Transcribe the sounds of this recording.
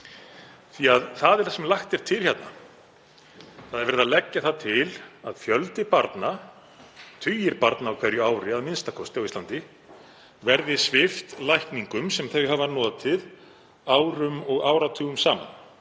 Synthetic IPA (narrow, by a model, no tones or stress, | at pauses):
θiaðθaðɛɾ̥θɛsɛmlajxt̪ɪɾ̥t̪ʰɪlhçɛt̪na̰ | θaðɛɾvɛɾɪðalɛcːaθat̪ʰɪlaðfjœlt̪ɪpaɾt̪na | t̪ʰʏːjɪɾpaɾt̪naːwkʰvɛɾjʏaːwɾɪaðmɪnst̪akʰɔst̪ɪawist̪lant̪ɪ | vɛɾðɪsvɪft̪lajhkniŋkʏmsɛmθejɦavanɔːðat̪ʰɪð | aːwɾʏmɔɣaːwɾat̪ʰuːɣʏmsaːma̰n